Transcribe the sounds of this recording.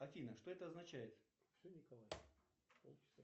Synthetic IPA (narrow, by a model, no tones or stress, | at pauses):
ɐfʲinəʂt̪o̞ɛt̪əɐznɐt͡ɕæjɪt̪ | fsʲonʲɪkɐlˠaj | olˠt͡ʃs